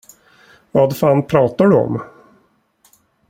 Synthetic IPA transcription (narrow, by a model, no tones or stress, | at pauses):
vɑːd̪faːnpʰɾɑːt̪aɖɵɔ̰m